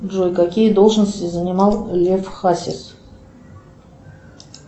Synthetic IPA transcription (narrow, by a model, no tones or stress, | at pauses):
ʐojkakʲijəd̪o̞lˠʐnəsʲtʲizənʲɪmɑlˠlʲefχasʲɪ̰s